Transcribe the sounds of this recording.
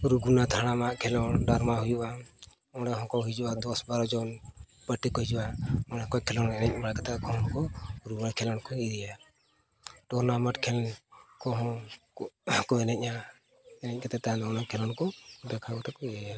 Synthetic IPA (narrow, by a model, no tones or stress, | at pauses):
ɾuɡunat̪ʰaɽ̃amaʔkʰɛlɔnɖaɾmaɦujuʔa | ɔ̃ɽaɦɔ̃kɔɦid͡ʒubad̪ɔsbaɾɔd͡ʒɔn | bəʈikɔɦid͡ʒuʔaɔɽakɔkʰɛlɔnɛnɛc̚baɽakat̪akɔɦɔ̃kɔɾuɡnakʰɛlɔnkɔiɾija | ʈɔnaməʈkʰɛlnkɔɦɔ̃ | kɔɛnɛc̚ʔa | ɛnɛc̚kat̪ɛt̪anɔnakʰɛlɔnkɔd̪akʰakɔt̪ɛkɔiɛja